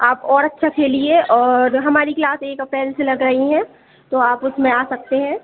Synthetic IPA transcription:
aːpɔːɾɐtːʃʰakʰeːlieʔɔːɾɦɐmaːɾiklaːseːkɐpɛːlselɐɡɾɐɦiɦɛ̃ː | t̪oaːpʊt̪ʰmẽaːsɐk̚t̪eɦɛ̃ː

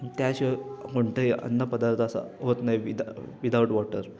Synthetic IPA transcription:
t̪jaɕekoɳʈeiə̰nːəpəd̪aɾt̪ʰasa̰ɦot̪najʋid̪ʋid̪awuʈʋɔʈəɾ

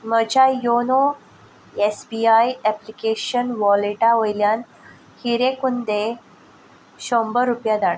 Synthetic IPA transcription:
məd͡ʑajono | esbiajɛplikeɕənʋɔleʈaojljan | hiɾekund̪e | ɕɔmbəɾupjad̪aɽ

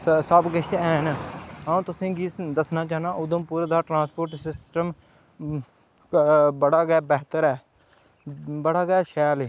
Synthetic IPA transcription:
səbɡɪʃɛːɦnaũːt̪ʊsĩːɡiːsd̪əsnaːt͡ʃaːnãːʔʊd̪õːpuːɾeːd̪aːʈɾãːspoːɾʈsɪsʈəm | bəɽaːɡɛːbɛːɦt̪əɾɛː | bəɽaːɡɛːʃɛːlː

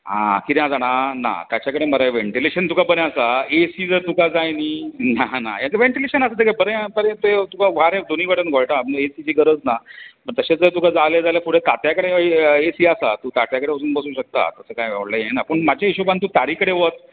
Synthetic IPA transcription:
ɦã̰kiãd͡zaɽ̃ana̰t̪jat͡ɕakəɽeməɾaʋeɳʈileɕənt̪ukabəneasaesiːd͡zəɾt̪ukad͡zajniːnana̰jãkəʋẽɳʈileɕənasat̪ikabəɾebəɾẽt̪et̪ukaʋ̤aɾed̪oniːʋəʈənɡʱoɭʈaesid͡ʑiːɡəɾəd͡znapəɾt̪əɕet͡sd͡zəɾt̪ukad͡zaled͡zalefuɽet̪at̪jakəɽeesiːasa̰t̪uːt̪at̪jakəɽeəsuːnbəsuːɕək̚t̪a̰t̪əsəːkajʋɛʋɽləjẽnapəɳmad͡ʑaeɕobant̪uːt̪aɾiːkəɽeʋət̪̚

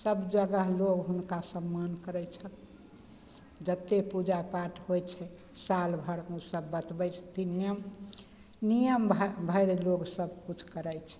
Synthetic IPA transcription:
səbd͡ʒəɡəɦloɡɦunkasəmːankəɾɛjt͡ʃʰət̪ | d͡ʒət̪ːepud͡ʒapaʈʰɦojt͡ʃʰɛ | salbʱəɽusəbːət̪bɛjt͡ʃʰt̪injəm | nijəmbʱbʱəɪɽeloɡsəb̚ʱkut͡ʃʰkəɾəjt͡ʃʰɛ̥

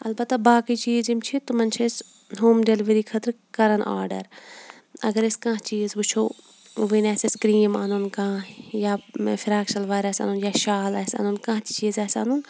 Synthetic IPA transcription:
ɐlbɐt̪ːabaːkit͡ʃiːzimt͡ʃʰit̪umɐnt͡ʃʰɐs | ɦoːmdeliʋɐɾikʰɐt̪ɾ | kɐɾɐnʔa̰ːɾɖɐ̰ɾ | ɐ̰ɡɐɾɪskãːt͡ʃiːzbut͡ʃʰoː | ʋinɛːseskɾiːma̰ːnunkãːjaːfʰɪɾaːkʃɐlʋaːɾɛːsa̰ːnunjaːʃaːlɛːsa̰ːnunkãːt̪t͡ʃiːzɛːsa̰ːnun

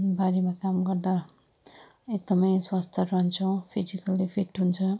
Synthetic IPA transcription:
baɾemakamɡʌrd̪a | ek̚d̪ʌmʌjswast̪ʰʌɾʌɦʌnt͡sʰʌw̃pʰizikʌlːipʰiʈɦunt͡sʰʌ

